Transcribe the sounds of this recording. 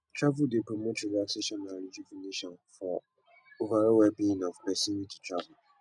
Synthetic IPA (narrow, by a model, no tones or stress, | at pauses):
tʰɹavudepʰɾomotʰɪɾasɪʃɔnãɾid͡ʒifĩniʃɔ̃nfɔ | ovaɾɛwɛbĩĩnɔfbɛsinĩtʰi̥tʰɹavʊ